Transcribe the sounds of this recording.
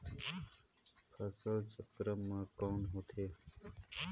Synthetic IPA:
pʰəsəlt͡ʃəkɾəmːãːkɔːnɦot̪ʰeː

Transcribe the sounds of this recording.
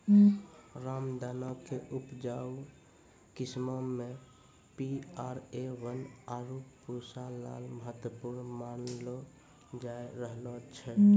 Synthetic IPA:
ɾamd̪anɔkeʔupd͡ʒau | kismɔme | piaɾeʋənaɾuppuɾsaːa̰lməɦət̪wəpuɾnmanlo | d͡ʒaeɾəɦlɔt͡ʃʰɛ

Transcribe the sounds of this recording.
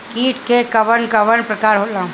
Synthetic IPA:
kiːʈʰkekɐʋənkɐʋənpɾəkaːɾɦolã

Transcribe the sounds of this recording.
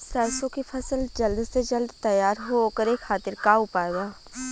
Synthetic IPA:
sɾɛːsõkipʰəsəld͡ʒəld̪sed͡ʒəld̪t̪əjaːɾɦokəɾeːkʰaːt̪ɪɾkaːʊpaːeɡaː

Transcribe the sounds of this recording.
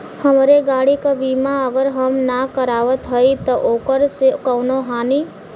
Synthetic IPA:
həmɾeɡaːɽikabiːmaəɡəɾɦəmnakəɾaːʋət̪ɦəit̪ɐʔoːkəɾsekəʊnoɦaːni

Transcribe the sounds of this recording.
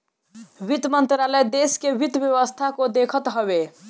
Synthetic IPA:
bit̪mənt̪ɾaləjd̪eskebit̪bjeʋəst̪ʰakod̪ekʰət̪ɦəβe

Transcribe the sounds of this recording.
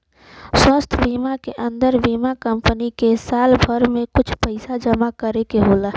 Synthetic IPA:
swəst̪ʰbiːmakeʔə̃nd̪əɾbiːmakəmpənikesaːlbʱəɾmẽkʊt͡ʃʰpəɪsad͡ʒəmakəɾekeɦoːlaː

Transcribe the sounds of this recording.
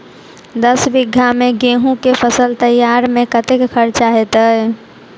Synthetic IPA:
d̪əsbɪɡʱːamẽɡeɦũkepʰəsəlt̪əjaɾmẽkət̪ekkʰəɾt͡ʃaɦet̪əɛ

